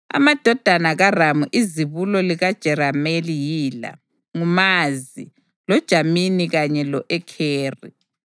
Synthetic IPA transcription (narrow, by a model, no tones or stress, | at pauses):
a̰mad̥ʱɔd̥ʱanaɣaramuʔiziβulɔliɣad̥ʒ̥ʱɛɾamelijiːla̰ | ŋumazi | lɔd̥ʒ̥ʱaminiɣaɲɛlɔʔɛkʰeːrḭ